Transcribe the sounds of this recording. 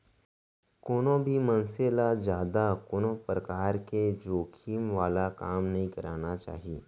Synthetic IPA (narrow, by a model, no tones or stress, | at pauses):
koːnõbʱimɐ̃nselad͡ʒjaːd̪akoːnõpɾɐkaːɾked͡ʒoːkʰiːmʋaːlakaːmnɐɦĩkɐɾaːnat͡ʃa̰ːɦieː